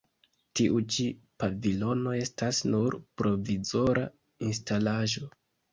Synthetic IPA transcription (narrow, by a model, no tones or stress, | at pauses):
tiʔut͡ʃipavilo̞no̞e̞stasnuɾpɾo̞vizo̞ɾʔa̰ | instalaʒo̞